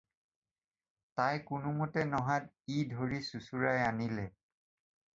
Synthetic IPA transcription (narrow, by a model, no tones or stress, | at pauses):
tajkʊnʊmotɛnɔɦat̚ | idʱoɹisusuɹajanilɛ